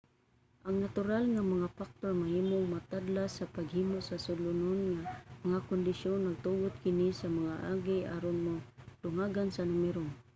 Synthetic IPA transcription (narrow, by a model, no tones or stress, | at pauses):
ʔaŋnat̪ʊɾalŋamaŋafak̚t̪onmahiːmʊŋmat̪ad̪lasapaɡhimosasʊlʊnʊnŋamaŋakʊnd̪ɪʃjonːaɡ̚t̪ubʊt̪̚kɪnisamaŋaʔa̰ɡiʔaɾonmod̪̥ʊŋaɡansanʊmɛɾʊŋ